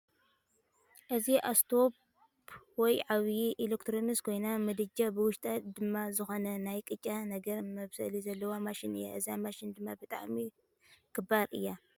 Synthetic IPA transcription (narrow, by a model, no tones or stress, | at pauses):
ʔɨziʔast̪ʰo̞p | wɔjʕaβjiʔilekt̪ʰɾomiskʰo̞jnamɨd̪ɨd͡ʒabɨwʊʃt̪ʼad̪ɨmːazɨxonɐnajkʼɨt͡ʃʼanɐɡɐɾmɐβsɐ̰lizɐlːɐwomaʃɪnɨ̰jːa̰ʔɨzamaʃɪnd̪ɨmːabɨt̪ʼa̰ʕmi | kʰɨbaɾʔɨ̰jːa